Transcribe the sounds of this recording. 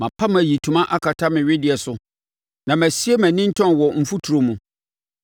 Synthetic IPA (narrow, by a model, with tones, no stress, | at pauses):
mã˨pʰa˦m˦æ˨ji˨tʰũ˨mã˦ʔa˦kʰa˨tʰa˦mɪ̃˨ɥɪ˦dɪ˨ɛ˨sʊ˨ | nã˨mæ̃˨si˦e˦mæ̃˨nĩ˦n̩˦tʰɔ̃˦nwɔ˨m̩˨fu˦tʰu˨ɾo˨mũ˨